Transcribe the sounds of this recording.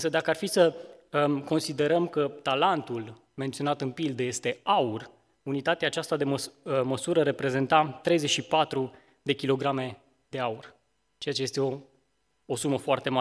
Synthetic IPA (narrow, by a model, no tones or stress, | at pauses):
ɨnsəd̪akəarfisə | ko̞nsid̪e̞ɾəmkət̪alant̪ul | ment̪sionat̪ɨnpild̪əje̞st̪e̞aur | unit̪at̪eaːt͡ʃast̪ad̪eməməsuɾəɾe̞pɾe̞ze̞nt̪at̪ɾe̞jzeʃipat̪ɾu | d̪e̞kʲilo̞ɡɾame̞ | d̪̥e̞aur | t͡ʃe̞jat͡ʃe̞je̞st̪eo | osuməfoart̪e̞ma